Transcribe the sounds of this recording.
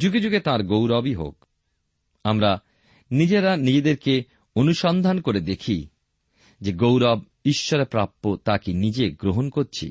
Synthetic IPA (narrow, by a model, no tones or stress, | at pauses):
d͡ʑuɡed͡ʑuɡet̪ãɾɡowɾɔbiɦo̰k | amɾa | nid͡ʑeɾanid͡ʑed̪eɾke | onuʃɔnd̪ʱankoɾed̪ekʰi | d͡ʑeɡowɾɔb | iʃːɔɾepɾapːot̪akinid͡ʑeɡɾoɦonkoɾt͡ɕʰḭ